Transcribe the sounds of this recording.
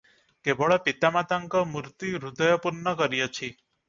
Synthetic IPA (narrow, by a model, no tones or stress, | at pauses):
kebɔɭɔpit̪amat̪aŋkɔmuɾt̪iɾud̪əjɔpuɾnːɔkəɾijot͡ʃʰi